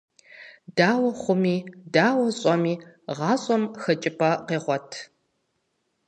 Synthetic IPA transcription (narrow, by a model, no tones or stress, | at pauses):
daːwɐχʷʊmiːdaːwɐɕʼɔmiːʁɑːɕʼɔmxɐt͡ʃʼɪpʰʼɐqeːʁʷɔtʰ